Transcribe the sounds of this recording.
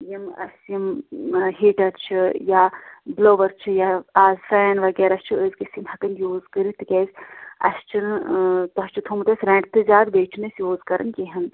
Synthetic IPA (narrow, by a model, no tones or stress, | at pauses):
jimɐ̰sjimɦiːʈɐɾt͡ʃʰɨjabloːʋɐɾt͡ʃʰɨjaaːzfajɐnʋɐɡeːɾɐst͡ʃʰɨəzkisimhɐkɐnjuːzkɨɾit̪ɨkʲɛsʲɐ̰st͡ʃʰɨnt̪uɦɐst͡ʃut̪ʰuːmt̪ɐsʲɾẽːɳʈt̪ɨzʲaːd̪beːt͡ʃʰunɨsjuːzkɐɾʔɐ̰nkʲeɦɐn